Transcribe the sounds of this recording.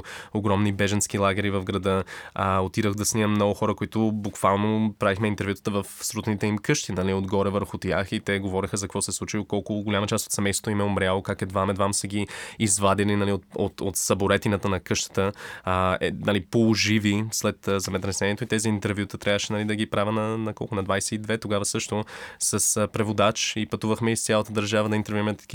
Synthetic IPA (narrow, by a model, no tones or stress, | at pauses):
oɡɾɔmnibɛʒənskilˠaɡʲɛɾivɐvɡɾɐd̪əəot̪iɾəxd̪ɐsniɛmnɔɡʊxɔɾəkʊit̪ʊbʊkv̥alˠnopɾavixmɛint̪ɛɾvjut̪ə̥t̪əvəfsɾut̪nit̪ɛimkɤʃt̪inɐliod̪ɡɔɾɛvəɾxʊt̪jaxit̪ɛɡovɔɾixəzɐkvɔsɛslˠut͡ʃiokɔlˠkʊɡolʲamɐt͡ʃast̪o̥t̪sɛmɛjst̪vot̪imɛomɾʲjalˠokakɛd̪vamɛd̪vamsəɡʲiːzvad̪ilinɐliot̪o̰t̪ot̪sɐboɾɛt̪inət̪ənɐkɤʃt̪ə̥t̪ə | ɛ̰nalipolˠoʒivislɛt̪ːzɛmɛt̪ɾɛsɛniɛt̪oit̪ɛziːnt̪ɛɾvjut̪ət̪ɾʲavəʃɛnɐlid̪ɐɡipɾavʲənɐnɐkɔ̰lˠkʊnɐd̪vajsɛid̪vɛt̪oɡavəsɤʃt̪osɐspɾɛvod̪at͡ʃipɐt̪uvəxmɛissʲjalˠət̪əd̪əɾʒavəd̪ɐint̪ɛɾvuɛmɛt̪ɐ̥ki